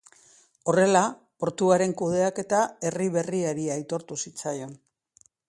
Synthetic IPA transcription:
o̞re̞la | po̞ɾt̪uaɾe̞ŋkuð̞e̞ake̞t̪ae̞riβe̞riaɾiajt̪o̞ɾt̪usit͡sajo̞n

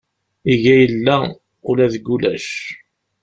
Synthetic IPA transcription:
iʝæjəlːæ | ʊlæðəɡːulæʃ

